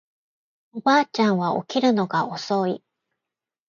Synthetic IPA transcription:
obaːt͡ɕãɰ̃βao̰kʲiɾɯ̟no̞ɡao̞so̞i

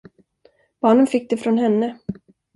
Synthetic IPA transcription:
b̥ɑːɳənfɪk̚ːd̪ɛfɾɔnɦɛnːə

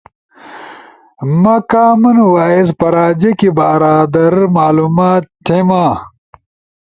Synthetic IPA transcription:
mɐkaːmɐnuwaːispɐɾaːd͡ʑɐkibaːɾaːd̪ɐɾmaːlumaːt̪tʰemãː

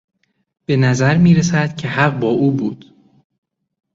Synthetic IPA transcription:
b̥e̞næzæɾmiːɾesæd̪̥cʰe̞hæɢbɒːʔuːbuːd̪̥

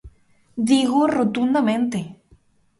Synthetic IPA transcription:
d̪iɣorot̪und̪amẽnt̪e

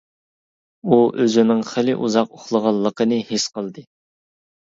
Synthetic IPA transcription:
uʔøzɪnɪŋχɪlɪʔuzɑq̚oχlˠəʁɑlˠːəqənɨhɪsqəlˠd̪ɨ

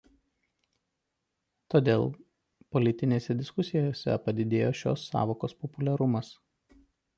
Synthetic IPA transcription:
t̪oːd̪ʲeːlˠ | pɔlʲɪt̪ʲɪnʲeːsʲɛd̪ʲɪskʊsʲɪjoːsʲɛ̰pɐd̪ʲɪd̪ʲeːjoːʃʲo̰ːsːɑ̰ːʋoːkoːspɔpʊlʲɛɾʊmɐs

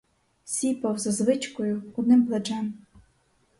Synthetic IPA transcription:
sʲipɐwzɐzʋɪt͡ʃkɔjʊɔd̪nɪmplˠet͡ʃɛm

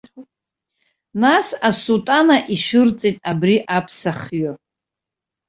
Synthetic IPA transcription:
nasasultʼanaʔiʃᶣɨrt͡sʼitʼabɾiʔapʰsaχɥo

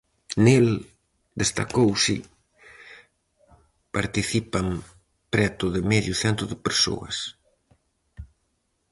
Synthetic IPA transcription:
nel | d̪est̪a̰kowsɪ̰ | paɾt̪iθipaŋ | pɾɛt̪ʊðɪmɛʎjʊθɛnt̪ʊðɪpeɾso̰ɐ̰s

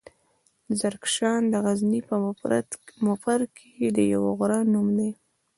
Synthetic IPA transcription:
zaɾkʃɑnd̪əɣaznipə | mʊfaɾkʰed̪əja̰woɣʊɾɑnumd̪ej

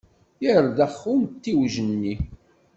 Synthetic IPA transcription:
jəɾðæχːunt̪ːiwʒənːi

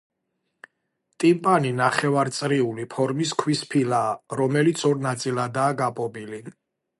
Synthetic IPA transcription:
t̪ʼimpʼaninaχɛvaɾt̪sʼɾiulipʰɔɾmiskʰwispʰilaːɾɔmɛlit̪sʰɔɾnat̪sʼilad̪aːɡapʼɔbili

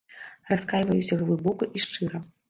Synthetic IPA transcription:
raskajvɐjusʲɐɣvɨbɔkuʔiʂt͡ʂɨɾɐ

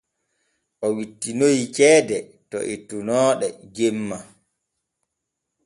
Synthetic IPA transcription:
ʔɔwitːinojkɛːdɛtɔ̰ʔitunɔːɗɛd͡ʒemːa

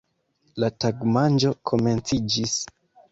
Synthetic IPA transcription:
lataɡmand͡ʒo̞kʰo̞me̞nt͡sid͡ʒis

